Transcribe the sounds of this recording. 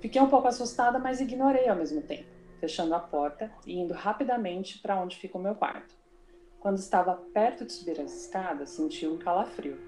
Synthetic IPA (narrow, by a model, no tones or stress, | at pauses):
fikejũpowkʊasust̪ad̪ɐmɐziɡinoɾejawmezmʊt̪ḛ̃mpʊfeʃɐ̃nd̪ʊapɔɾt̪ɐɪĩnd̪ʊhapid̪ɐmẽnt͡ʃɪ̥pɾɐõd͡ʒɪfikɐʊmewkwa̰ɾt̪ʊ̥ | kwɐ̃nd̪ʊɪst̪avɐpɛɾt̪ʊd͡ʒɪ̥subiɾɐzɪskad̪ɐsːẽnt͡ʃiwũkalafɾiw